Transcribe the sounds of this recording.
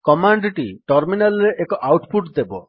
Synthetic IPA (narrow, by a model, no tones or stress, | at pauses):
kɔmaɳɖiʈiʈɔɾminalɾeʔekɔʔawʈpuʈd̪ebɔ